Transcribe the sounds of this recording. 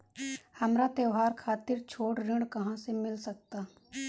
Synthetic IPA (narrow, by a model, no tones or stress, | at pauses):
hɐmɾat̪eʋɦaːɾkʰaːt̪ɪɾt͡ʃʰoːʈɾɪ̃ɽkɐɦãsemɪlsək̚t̪aː